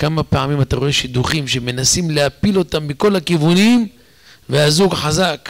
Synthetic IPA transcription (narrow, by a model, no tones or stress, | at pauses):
kamapeʕamimat̪aʁo̞e̞ʃid̪uχimʃeme̞nasimleapilo̞t̪amːiko̞lakivunim | vehazuɡħazak